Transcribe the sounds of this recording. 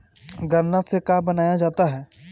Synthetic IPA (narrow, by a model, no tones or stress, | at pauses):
ɡɐɾnasekaːbənaːjad͡ʒaːt̪aɦɛː